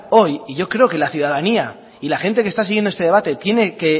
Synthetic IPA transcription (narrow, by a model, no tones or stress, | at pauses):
o̞jiʝo̞kɾeo̞ke̞laθjuðaðania | ilaxe̞nt̪e̞kest̪asiɣjend̪oest̪ee̞βat̪e̞t̪je̞ne̞ke̞